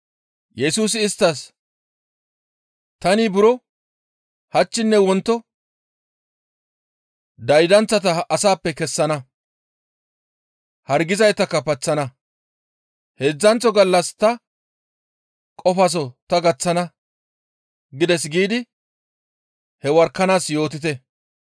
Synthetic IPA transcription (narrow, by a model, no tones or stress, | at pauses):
jɛsuːs̬ɪːst̪ːɐs | t̪ɐnibʊɾɔ | hɐt͡ʃːɪnːɛwɔnt̪ːɔ | d̪ɐjd̪ɐnt͡sːɐt̪ɐʔɐsaːpːɛkɛsːɐnɐ | hɐɾɡɪzɐjt̪ɐkːɐpɐt͡sːɐnɐ | heːd͡zːɐnt͡sːɔɡɐlːɐst̪ɐ | kʼɔfɐs̬ɔt̪ɐɡɐt͡sːɐnɐ | ɡɪd̪ɛs̬ɡiːd̪ɪ | hɛwɐɾkːɐnaːsjo̞ːt̪ɪt̪̬ɛ